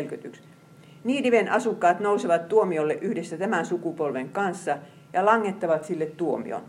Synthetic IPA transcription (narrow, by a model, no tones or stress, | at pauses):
lkøt̪yks | niːdiʋenʔɑsukːɑːt̪nouseʋɑt̪t̪uomiolːeʔyhdesːæt̪æmænsukupolʋeŋkɑnsːɑ | jɑlɑŋːet̪ːɑʋɑt̪silːet̪t̪uomḭo̰n